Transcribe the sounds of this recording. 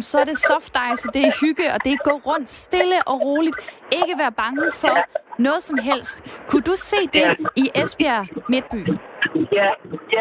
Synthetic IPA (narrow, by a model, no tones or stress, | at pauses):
msɒæɐɾe̝sɒfd̥ɑ̈ɪsəd̥e̝æhyɡ̥əɒ̽d̥e̝ɡ̥ɔ̰ːʁɔ̽n̰d̥sd̥e̝ləʔɒ̽ʁo̝ːlid̥e̝ɡ̥əʋæːɐb̥ɑ̈ŋəfɒ̽nɔ̽ːð̞̩ˠsɒ̽mɦel̰sd̥kʰud̥use̝̰ːd̥e̝iʔesb̥iæme̝d̥̚b̥y̰ː